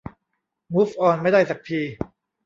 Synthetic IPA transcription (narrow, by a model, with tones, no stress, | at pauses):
mu˦˥fʔɔː˧nma˥˩jda˥˩jsa˨˩k̚t̪ʰiː˧